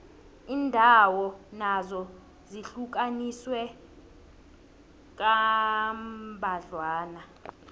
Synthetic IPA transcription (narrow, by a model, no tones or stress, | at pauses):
iːndʱawɔnazɔ | ziɬuk̬ʼaniswɛ | k̬ʼambʱaɮwaːna